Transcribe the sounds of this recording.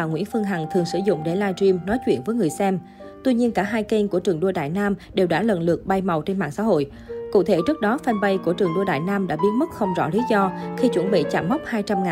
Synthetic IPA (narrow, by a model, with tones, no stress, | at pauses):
aː˨˩ŋwḭ˧˥nfɨ˧əŋɦa˨˩ŋt̪ʰɨ˨˩əŋsɨ̰˧˩zʊ̰˧˨ŋ͡mɗe˧˩laː˧ji˧mnɔ˨˦jt͡ɕwḭ˧˩ənvəː˨˦jŋɨ˨˩əjsɛ˧m | t̪wi˧ɲi˧ənkaː˧˩ɦaː˧jke˧nku˧˩ət͡ɕɨ˨˩əŋɗu˧əɗa̰ː˧˨jnaː˧mɗe˨˩wɗaː˧˩lə̰˧˨nlɨ˨˩ək̚ɓa˧jma˨˩wt͡ɕe˧nma̰ː˧˨ŋsa̰ː˧˥ɦo̰˧˨j | kṵ˧˨t̪ʰe˧˩t͡ɕɨ˦˥ək̚ɗɔ˨˦fa˧nɓə˧jku˧˩ət͡ɕɨ˨˩əŋɗɗa̰ː˧˨jnaː˧mɗa̰ː˧˥ɓi˦ən̚mə˦˥t̚xə˧wŋ͡mzɔ̰˧˥li˨˦zɔ˧xi˧t͡ɕwə˧˩nɓḭ˧˨t͡ɕa̰ː˧˩mːa˦˥wk͡p̚haː˧jt͡ɕa˧mŋaː˨